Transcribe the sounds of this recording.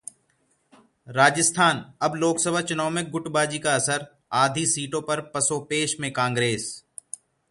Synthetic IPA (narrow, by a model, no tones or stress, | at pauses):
ɾaːd͡ʒəst̪ʰaːnɐbloːksəbʱat͡ʃʊnaːmẽɡʊʈbaːd͡ʒikaɐsəɾ | aːd̪ʱisiːʈõpɐɾpɐsoːpeːʃmẽkãːŋɡɾeːs